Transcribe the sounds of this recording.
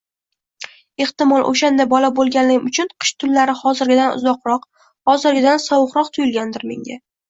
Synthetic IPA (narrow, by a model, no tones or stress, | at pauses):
e̞ht̪ɪmɒlˠʔo̰ʃand̪abɒlabolˠɡʲanlɪɡʲɪmʊt͡ʃʰʊnqʰɨ̥ʃt̪ʰʊlːaɾɪhɒzɪɾɡʲɪd̪anʊ̰zɒqɾɒq | hɒzɪɾɡʲɪd̪ansɒwʊqɾɒqt̪ʰʊjʊlˠɡʲand̪ɪɾme̞̰ŋɡʲa